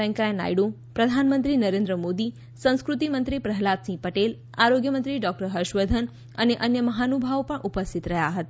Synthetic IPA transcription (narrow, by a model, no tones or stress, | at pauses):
ɛ̃ŋkajna̰jɽũ | pɾəd̪ʱanmənt̪ɾinəɾẽnd̪ɾəmod̪i | sə̃w̃skɾut̪imənt̪ɾipɾəɦlat̪sĩpəʈel | aɾoɡjəmənt̪ɾiɖɔk̚ʈəɾɦəɾʃʋəd̪ʱən | əneʔənjəməɦanubʱaʋpəɳʔupəst̪it̪ɾəɦjaɦət̪a